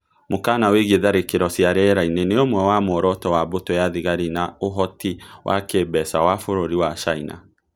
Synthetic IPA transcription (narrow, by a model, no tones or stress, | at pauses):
mokanaweɣeðaɾekeɾɔsjaɾɛɾaineneomwɛwamoɾɔtɔwabotojaðiɣaɾinaoɦɔtiwʔa̰keːbɛsawafoɾoɾiwat͡ʃaina̰